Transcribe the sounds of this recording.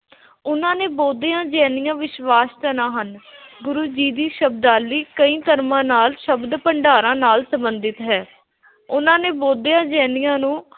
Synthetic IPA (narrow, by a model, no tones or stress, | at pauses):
ʊnãːneːboːd̪ejãːd͡ʒɛːnɪjãːʋɪʃʋaːst̪ənãːɦənɡʊɾuːd͡ʒiːd̪iːʃəb̚d̪aːlːiːkəĩːt̪əɾmãːnaːlʃəbd̪pəɳɖaːɾãːnaːlsə̃mbənd̪ɪt̪ɦɛː | ʊnãːneːboːd̪ejãːd͡ʒɛːnɪjãːnũː